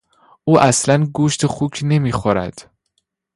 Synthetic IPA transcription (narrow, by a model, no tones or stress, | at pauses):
ʔuːʔæslænɡuːʃt̪ʰexuːcʰne̞miːxoɾæ̰d̪̥